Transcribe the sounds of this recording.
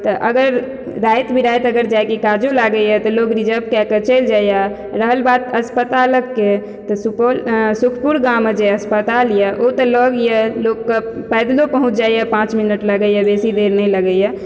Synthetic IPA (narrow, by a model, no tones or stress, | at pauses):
t̪ɔʔəɡəɾ | ɾajt̪bʱiɾajt̪əɡəɾd͡ʒajkekad͡ʒolaɡəjɛt̪ɔlokɾid͡ʒəbkɛkət͡ʃəld͡ʒaja | ɾəɦəlbat̪əspət̪aləkːe | t̪ɔsupsukʰpuɾɡamːed͡ʒeəspət̪aljɛʔot̪ələɡjɛlokːəpəjd̪lopəɦũt͡ʃʰd͡ʒajapãt͡ʃminəʈləɡəjabesid̪eɾnɛləɡəjɛ